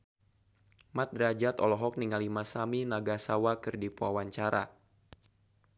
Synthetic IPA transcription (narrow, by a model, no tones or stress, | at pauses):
mat̪̚dɾad͡ʒat̪ɔlɔɦɔk̚niŋalimasaminaɡasawakɨrdipuawaɲt͡ʃaɾa̰